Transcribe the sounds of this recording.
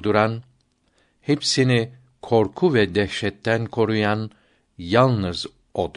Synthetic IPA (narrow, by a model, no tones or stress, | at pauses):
d̪uɾan | hepsini | kʰo̞ɾkʰuvɛd̪ɛhʃɛt̪ːænkʰo̞ɾujan | jalˠnɯz | od̪